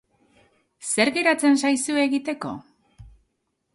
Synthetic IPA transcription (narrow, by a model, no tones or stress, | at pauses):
se̞ɾɣe̞ɾat͡se̞nsajsue̞ɣit̪e̞ko̞̰